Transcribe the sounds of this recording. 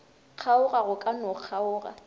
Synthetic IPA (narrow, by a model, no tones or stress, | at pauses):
q͡χʰaʊɣaɣʊkʼanʊq͡χʰaʊːɣa̰